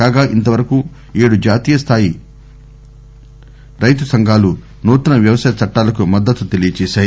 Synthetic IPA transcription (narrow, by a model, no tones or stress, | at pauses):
kaːɡaːʔint̪ɐʋɐɾɐku | eːɽud͡ʒaːt̪iːjɐst̪ʰaːji | ɾɐjt̪usɐŋɡʱaːlu | noːt̪ɐnɐʋjɐʋɐsɐjɐt͡ʃɐʈːaːlɐkumɐd̪ːɐt̪ːut̪e̞lijɐt͡ʃɛːʃaːj